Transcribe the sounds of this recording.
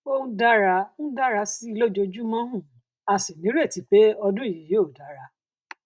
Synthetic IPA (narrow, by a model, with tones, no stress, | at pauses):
õ˦da˦ɾa˧ñ̩˦da˦ɾa˧si˦i˧lo˦d͡ʒo˧d͡ʒu˦mɔ̃˦ɦũ˦˨ | a˨si˨nĩ˨˦ɾe˦˨ti˨˦k͡pe˦ɔ˧dũ˦˨ji˨jo˦˨da˨˦ɾa˧˦